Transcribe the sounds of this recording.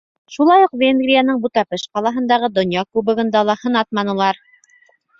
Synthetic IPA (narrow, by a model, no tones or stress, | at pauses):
ʃulˠɑjuqvʲenɡrʲijanɤɴbut̪ɑpɤʃqɑlˠɑɦɤ̆nd̪ɑʁɤd̪ŏnjɑkʉβɘ̆ɡɤ̆nd̪ɑlˠɑhɤ̆nɑt̪̚mɑnɤ̆lˠɑɾ